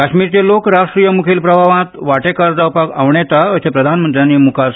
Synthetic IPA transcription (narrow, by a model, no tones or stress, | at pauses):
kaɕmiːɾt͡ɕelokɾasʂʈɾijəmukʰiːlpɾəbʱaʋãt̪ʋaʈekaɾd͡zawpakaʋɳet̪aəsepɾəd̪ʱanmənt̪ɾijaniːmukʰa